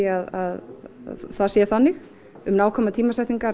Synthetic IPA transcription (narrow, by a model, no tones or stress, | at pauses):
aða̰ð̰ | θaðsjɛ̥θanːɪx | ʏmnaːwkʰɔmaðt̪ʰiːmasɛjht̪niŋkaɾ